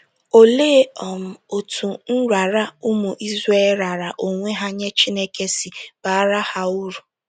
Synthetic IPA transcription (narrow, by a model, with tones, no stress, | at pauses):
o˨leː˦ɔ˨m̩˨o˨tʰu˨n̩˦ɾʷa˨ɾa˦ʊ˦mʊ˨ʔi˦ze˦lɾa˨ɾa˨ʔo˨ŋʷe˦ɦa˦ɲe˦t͡ʃi˦ne˦ke˦si˨b̥a˨a˦ɾa˦ha˦u˦ɾu˨